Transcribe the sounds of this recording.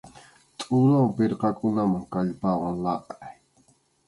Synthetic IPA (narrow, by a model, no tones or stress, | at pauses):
t̪ʼʊɾawpɪɾqɑkʊnamaŋkaʎpɑwɑŋlɑqaj